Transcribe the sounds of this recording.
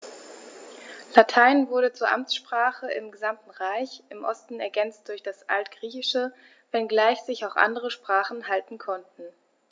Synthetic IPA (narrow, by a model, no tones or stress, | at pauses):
latʰaɪnvʊɐɾət͡suːɐʔa̰mt͡sʃpʁ̥aːχəʔɪ̰mɡəzamtn̩ʁaɪçʔɪmʔɔstn̩ɛɐɡɛnt͡st̚d̥ʊɐçd̥asʔa̰ltɡ̥ʁiːçɪʃə | vɛnɡlaɪçz̥ɪçaʊxʔa̰ndəʁ̞əʃpʁ̥aːχn̩ɦaltn̩kʰɔntn̩